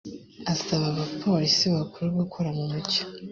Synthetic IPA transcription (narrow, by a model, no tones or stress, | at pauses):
asaβaβapʰo̞ɾisiβakuɾuβɡukʰoɾamumuco̥